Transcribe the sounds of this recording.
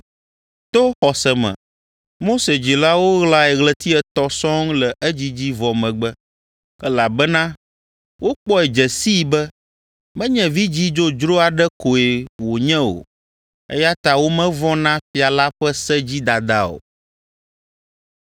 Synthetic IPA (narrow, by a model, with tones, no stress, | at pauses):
t̪o˦xɔ˨sɛ˨mɛ̰̃˨ | mo˦se˨d͡ʑi˨la˦wo˦ɣla˦ɛ˨ɣlɛ˦t̪i˦ɛ˨t̪ɔ˦sɔ̃˦ŋlɛ˨ʔɛ˦d͡ʑi˦d͡ʑi˦vɔ˨mɛ̃˨ɡ͡bɛ˦ | ɛ˦la˨bɛ˦nã˦ | wʔo˦k͡pɔ˦ɛ˨d͡ʒɛ˨si˦bɛ˦ | mɛ̃˦ɲɛ̃˨vi˦d͡ʑi˦d͡ʒo˦d͡ʒɾo˦a˨ɖɛ˦ko˨e˨wo˨ɲɛ̃˦o̰˨ | ɛ̰˦ja˦t̪a˨wo˦mɛ̃˦vɔ̃˦nã˦fi˨a˨la˦ɸɛ˦sɛ˦d͡ʑi˦d̪a˨d̪a˦o̰˨